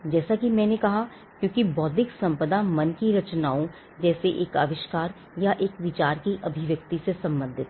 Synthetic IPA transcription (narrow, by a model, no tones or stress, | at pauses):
d͡ʒɛːsakimɛ̃ːnekɐɦa | kjõːkibɔːd̪ɪksɐ̃mpəd̪amɐnkiɾɐt͡ʃnaːõ | d͡ʒɛːseʔeːka̰ːʋɪʃkaːɾ | jaʔeːkʋɪt͡ʃaːɾkiʔɐbʱɪʋjɐkt̪isesɐ̃mbə̃nd̪ʱɪt̪